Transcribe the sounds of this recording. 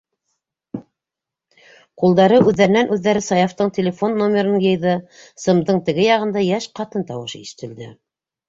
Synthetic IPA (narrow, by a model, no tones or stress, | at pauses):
qulˠd̪ɑɾɤʔʉðːæɾɘ̆nænʔʉðːæɾɘsɑjɑft̪ɤɴt̪ʲelʲefonːomʲeɾɤnɤjɤ̆jðɤsɤ̆md̪ɤɴt̪ɘ̆ɡɘjɑʁɤ̆nd̪ɑjæʃqɑt̪ɤnt̪ɑwɤʃiʃɘ̥̆t̪ɘ̆ld̪ɘ